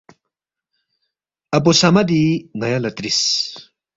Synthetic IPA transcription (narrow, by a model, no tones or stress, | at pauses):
ɐp̬osamad̪iŋajalat̪ɾis